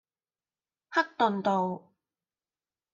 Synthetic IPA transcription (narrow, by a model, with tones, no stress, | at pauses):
hɐ˥k̚t̪ɵ˨nt̪o˨w